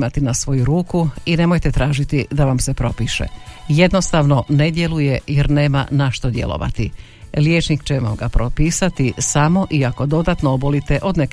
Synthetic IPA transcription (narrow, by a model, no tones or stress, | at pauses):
mat̪inasʋo̞juɾuːkuine̞mo̞jt̪e̞t̪ɾaːʒit̪id̪aʋamsepɾo̞piːʃḛje̞d̪nost̪aʋno̞ned̪je̞luje̞jeɾneːma̰naʃt̪o̞d̪je̞̰lˠo̰ʋa̰t̪i | ljeːt͡ʃnikt͡ʃeʋa̰mɡapɾopiːsat̪isamo̞ʔiako̞d̪o̞d̪at̪noobolit̪eʔo̞d̪nek